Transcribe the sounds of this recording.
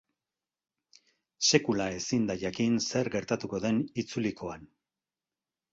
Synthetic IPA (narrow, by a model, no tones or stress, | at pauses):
se̞kulae̞sind̪ajakinse̞ɾɡe̞ɾt̪at̪uko̞ðe̞nit͡sulikʰo̞an